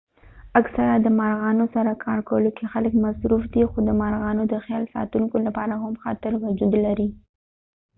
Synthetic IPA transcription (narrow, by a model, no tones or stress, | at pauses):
aksaɾad̪əmaɾɣɑnosaɾakʰɑɾkawəlokexaləkmasɾufd̪ixod̪əmaɾɣɑnod̪əxjɑlsɑ̰t̪uŋkolapɑɾahamxɑ̰t̪ɪɾwʊd͡ʒud̪laɾi